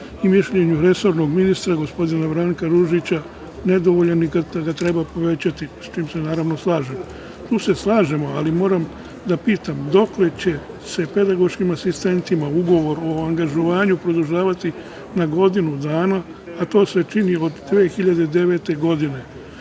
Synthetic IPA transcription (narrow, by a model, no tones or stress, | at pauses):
imiʃʎe̞ɲuɾe̞so̞ɾno̞ɡminist̪ɾaɡo̞spo̞d̪inabɾaŋkaɾuʒit͡ɕa | ne̞d̪o̞ʋo̞ʎanikad̪aɡat̪ɾe̞bapo̞ʋe̞t͡ɕat̪ist͡ʃiːmse̞naːɾaʋno̞slˠaːʒemo | t̪uːse̞slˠaːʒe̞moalimo̞ːɾam | d̪apiːt̪amd̪o̞kle̞t͡ɕe̞ | se̞pe̞d̪aɡo̞ʃkimasist̪e̞nt̪imauɡo̞ʋo̞ɾo̞aŋɡaʒoʋaːɲupɾo̞d̪uʒaːʋat̪i | naɡo̞d̪inud̪aːnaː | t̪o̞ːse̞t͡ʃinio̞d̪ːʋeːxiʎad̪ed̪e̞ʋe̞t̪e̞ɡo̞d̪ine̞